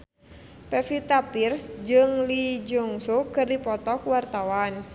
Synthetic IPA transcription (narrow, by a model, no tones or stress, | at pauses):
pɛfit̪apirsd͡ʒɨŋlid͡ʒuŋsukɨrdipɔt̪ɔkuwart̪awan